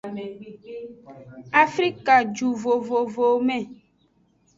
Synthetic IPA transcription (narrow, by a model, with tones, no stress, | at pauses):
a˨fɾi˦ka˨d͡ʒu˨vo˨vo˨vo˨mɛ̃˨